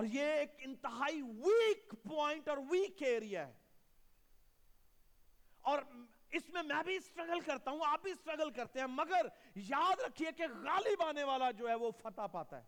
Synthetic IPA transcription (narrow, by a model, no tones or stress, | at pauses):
ɔːɾjeeːkɪ̃nt̪ɪɦaːiʋiːkpɔːɪ̃ɳʈɔːɾʋiːkeːɾijaɦɛ̰ː | ɔːɾ | ɪsmẽmɛ̃bʱisʈɾɐɡəlkɐɾt̪aɦũaːp̚bʱisʈɾɐɡəlkɐɾt̪eɦɛ̃mɐɡəɾjaːd̪ɾɐkʰːiekeɣaːlɪbaːneʋaːlad͡ʒoːɦɛʋofɐt̪apaːt̪a̰ɦɛ̰ː